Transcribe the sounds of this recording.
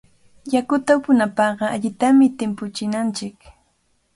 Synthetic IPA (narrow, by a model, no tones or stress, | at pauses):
jakʊt̪apʊnapɑɢɑaʎɪt̪amɪt̪ɪmpʊt͡ʃɪnant͡ʃɪk